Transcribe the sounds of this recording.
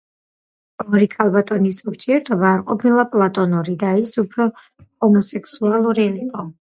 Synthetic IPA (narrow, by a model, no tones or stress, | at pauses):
ɔɾikʰalˠbat̪ʼɔnisuɾt̪ʰiɛɾt̪ʰɔbaːɾqʼɔpʰilˠapʼlˠat̪ʼɔnɔɾid̪aisupʰɾɔ | hɔmɔsɛkʰsualˠuɾiliqʼɔ